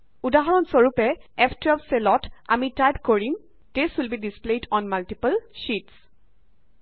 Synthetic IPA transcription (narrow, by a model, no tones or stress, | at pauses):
udaɦɔɹɔnsoɹupɛɛpʰtɔpselɔta̰mitajbkoɹim | tesulbidispledɔnmaltipəlʃits